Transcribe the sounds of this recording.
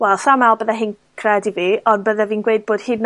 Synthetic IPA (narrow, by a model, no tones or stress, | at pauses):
wɛlˠsamalˠbəðaɦɨn | kʰrɛdiviːɔnbəðaviːnɡwejd̚b̥oːd̥hɨːdn